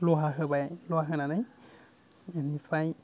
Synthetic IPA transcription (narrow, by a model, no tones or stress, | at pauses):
lɔɦaɦɯbajlɔaɦɯnanaj | enipʰaj